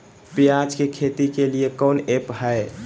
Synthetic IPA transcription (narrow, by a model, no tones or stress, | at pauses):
pijad͡ʒkekʰet̪ikeliekɔːnepɦɛe